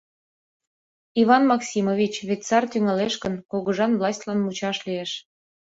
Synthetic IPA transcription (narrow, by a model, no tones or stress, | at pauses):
iβɑnmɑksʲimovʲit͡ɕβet̪ʲt͡sɑrt̪yŋɑleʃkənkoɣəʒɑnvlɑsʲtʲlɑnmut͡ɕɑʃlieʃ